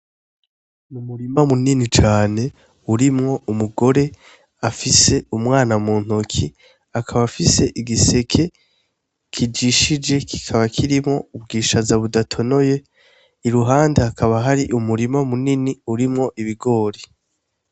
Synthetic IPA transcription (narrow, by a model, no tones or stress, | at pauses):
mumuɾimamuninit͡ʃaːne̞ | uɾimŋo̞ʔumuɡo̞ɾe̞ | afise̞umŋaːnamuːn̥okʰi | akʰaβafise̞ʔiɡise̞kʰe̞ | kʰid͡ʒiʃid͡ʒe̞ki̥kʰaβakʰiɾimŋo̞ub̚ɡiːʃazaβudatʰo̞no̞je̞ | iɾuɦaːndeakʰaβaɦaɾiʔumuɾimamuniniuɾimŋo̞ʔiβiɡo̞ːɾi